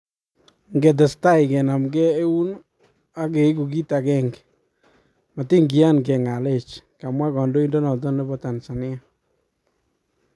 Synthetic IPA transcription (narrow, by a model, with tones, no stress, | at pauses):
ŋɡe˨t̬ɛ˨sta˦ɪ˨kɛ˨na˨mɡɛː˦u˦n | a˦ke˨˦ku˨ɡi˦ta˨kɛ˦ŋɡ | ma˨ti˦ŋɡi˨a˦nɡe˨ŋa˨le˦˨t͡ʃka˨mwa˦kɔ˨ndo˦i˦ndɔ˦nɔ˨t̬ɔ˦ne˦bɔ˦ta˨nsa˨nɪ˦a˦